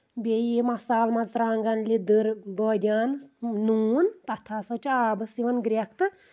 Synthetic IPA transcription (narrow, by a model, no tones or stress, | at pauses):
bʲejimɐsaːlmɐt͡sɾaːŋɡɐnlʲid̪ɨɾbəːd̪ʲaːnnuːnt̪ɐt̪ʰaːsɐt͡ʃaːbɨsiʋɐnɡɾʲɐkt̪ɨ